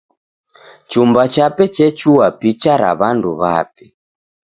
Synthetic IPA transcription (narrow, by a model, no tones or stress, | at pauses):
t͡ʃumbat͡ʃapɛt͡ʃɛt͡ʃuwapit͡ʃaɾa̰βanduβa̰pi